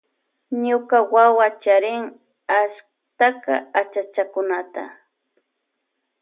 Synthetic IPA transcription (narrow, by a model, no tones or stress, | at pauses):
ɲʊkawawat͡ʃaɾɪŋ | aʃ | t̪aka̰at͡ʃat͡ʃakʊnat̪a̰